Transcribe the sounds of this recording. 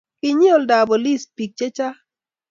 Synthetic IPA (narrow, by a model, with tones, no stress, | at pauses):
kɪ˦ɲi˦o˦˨lda˨bo˨li˦˨spi˨k̚t͡ʃe˦t͡ʃa˦